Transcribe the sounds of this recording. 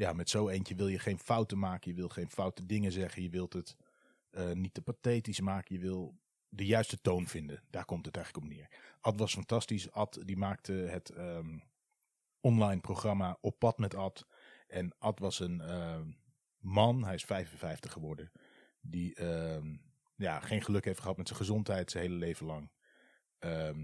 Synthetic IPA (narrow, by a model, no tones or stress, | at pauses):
jaːmɛtsowejnt͡ʃəʋɪlˠjəχejnfʌwtəmaːkəjəʋɪlˠχejnfʌwtədɪŋəzɛχənjəʋɪlˠtət | ənit̚əpatejtismaːkəjəʋɪlˠ | dəjœɥstətownvɪndəd̥aːɹkɔmtətɛjχələkɔpnɪːɹʔɑtʋɑsfɑntɑstisɑtdimaːk̚tʰəɦətə | ɔnlɑjnproχrɑmaʔɔpːɑtmɛtɑt | ʔɛnʔɑtʋɑsənə | mɑnɦɛjɪsfɛjvənfɛjftəχχəʋɔɹdə | diə | jaːχejnχəlɵkɦejftχəɦɑtmɛtsəχəzɔntɦɛjtsənɦejləlejvənlɑŋ | ə